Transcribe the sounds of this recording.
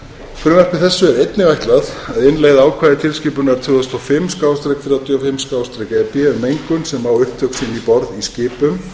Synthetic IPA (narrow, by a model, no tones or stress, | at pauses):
fɾʏːmɛɾ̥kvɪθɛsːʏɛɾejt̪nɪvajht̪laθaðɪnleːɣðaːwkʰvaːðɪt̪ʰɪlscɪːpʏnɛɾt̪ʰʏːɔst̪ɔfɪmskaːwst̪ɾɛjkfɪɾat̪ʰjafɪmskaːwst̪ɾɛkɛɾpjɛɛɾmejŋkʏnsɛmaːwʏht̪ʰœksɪnipɔɾðiscɪːpʏm